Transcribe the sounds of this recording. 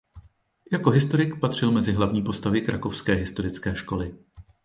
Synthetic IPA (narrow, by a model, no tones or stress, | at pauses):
jako̞ɦɪst̪o̞ɾɪkpat̪r̝̥ɪlmɛzɪɦlavɲiːpo̞st̪avɪkɾʔa̰ko̞fskɛːɦɪst̪o̞ɾɪt͡skɛːʃko̞lɪ